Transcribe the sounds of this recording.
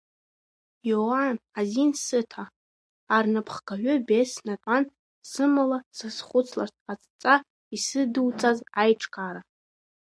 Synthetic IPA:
jowanazinsɨtʰa | arnapʰχkaʕᶣʷʊbesnatʷʼan | sɨmalasasχʷʊt͡sʰlartʰʼat͡sʼt͡sʼa | isɨdɨwt͡sʼazajʈ͡ʂʰʼkʼaɾa

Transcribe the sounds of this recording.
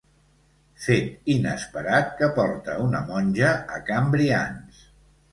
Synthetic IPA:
fet̪inə̰spəɾat̪̚kəpɔɾt̪əunəmɔnʲʒəːkambɾia̰ns

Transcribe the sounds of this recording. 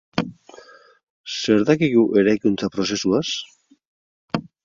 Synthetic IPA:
se̞ɾðakiɣuʔe̞ɾajkunt͡sapɾo̞se̞suas

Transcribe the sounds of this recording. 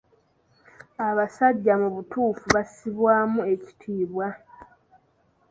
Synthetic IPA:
aβasaɟːamuβutuːfuβasiβwaːmue̞ci̥tʰiːβwa

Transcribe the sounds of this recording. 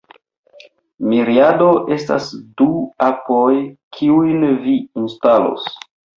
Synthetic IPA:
miɾiado̞ʔe̞sta̰sduapojkʰiujnviinstalo̰s

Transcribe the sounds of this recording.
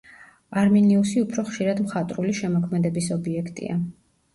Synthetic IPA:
aɾmɛniusiupʰɾɔχʃiɾad̪mχat̪ʼɾuliʃɛmɔkʰmɛd̪ɛbisɔbiɛkʰt̪ʼḭa̰

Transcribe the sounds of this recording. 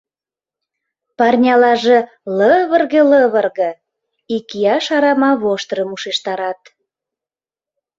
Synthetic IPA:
pɑrnʲɑlɑʒĕ | ləβərɣĕləβərɣɤ̆ | ikiɑʃɑɾɑmɑβoʃt̪ɾəmuʃeʃt̪ɑɾɑt̪

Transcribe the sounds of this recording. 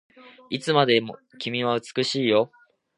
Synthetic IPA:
it͡sɨmad̪e̞mo | kʲimʲiβaɯ̟t͡sɨ̥kɯ̟ɕiːjo̞

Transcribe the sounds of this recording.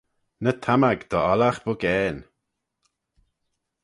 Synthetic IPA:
nət̪ʰamaɡd̪̥ɔɔlaxb̥ʊɡɛːn

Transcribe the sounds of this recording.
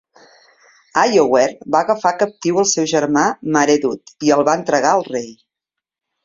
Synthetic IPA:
ajowɛrbaəɣəfakəp̚t̪iwəlˠsɛwʒəɾmaməɾeðut̪iəlˠβaənt̪ɾəɣaəlˠrej

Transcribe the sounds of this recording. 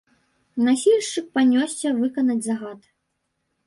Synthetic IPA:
nasʲilʲʂt͡ʂɨk̚panʲɔsʲɛvɨkɐnɐd͡zʲzɐɣat̪

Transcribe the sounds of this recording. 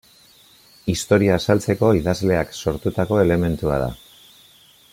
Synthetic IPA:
ist̪o̞ɾiaːsalt͡se̞ko̞iðazle̞akso̞ɾt̪ut̪ako̞e̞le̞me̞nt̪ua̰ð̞a̰

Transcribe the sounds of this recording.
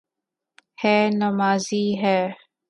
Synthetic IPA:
hɛːnɐmaːziːɦɛː

